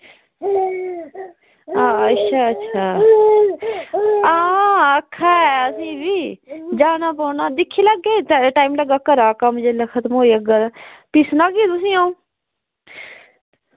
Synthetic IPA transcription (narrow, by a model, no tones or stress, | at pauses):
aːətːʃʰaːətːʃʰaː | aːəkʰːaɛəsĩːbiːd͡ʒaːnaːpɔːnaːd̪ɪkʰːiləɡeːtʈaːimləɡaːkəɾaːkaːmʊd͡ʒeləkʰət̪moːiːəɡapisnaɡet̪ʊsĩːaːũː